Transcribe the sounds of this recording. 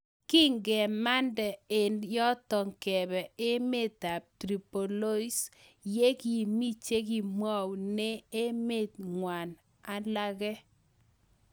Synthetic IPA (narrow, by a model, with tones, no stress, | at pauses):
ki˦ŋɡɛ˨ma˦ndɛ˨e˨njɔ˦tɔ˨ŋkɛ˨bɛ˨e˦me˦ta˨p̚tɾi˨po˨lo˦i˦s | je˦ki˨mi˦t͡ʃe˦k̬i˨mwa˦wnɛ˦e˦me˦˨tŋwa˨n | a˨la˦kɛ˦